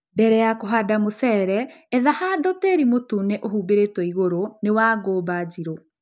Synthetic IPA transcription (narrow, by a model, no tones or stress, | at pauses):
bɛɾɛjakoɦaːdamosɛːɾɛɛðahadɔteɾimotuneʔohuːbeɾetwɔiɣoɾonewaːɡoːbaːd͡ʑiɾo